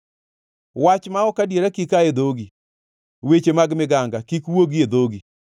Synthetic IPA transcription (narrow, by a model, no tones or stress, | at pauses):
wat͡ʃmaɔkadjeɾakikaed̪oɡi | wet͡ʃemaɡmɪɡaŋɡakikwoɡied̪oɡi